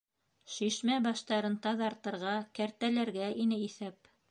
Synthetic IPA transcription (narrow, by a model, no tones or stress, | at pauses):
ʃiʃmæbɑʃt̪ɑɾɤnt̪ɑðɑɾt̪ɤ̆ɾʁɑkæɾt̪ælæɾɡæʔinɘiθæp̚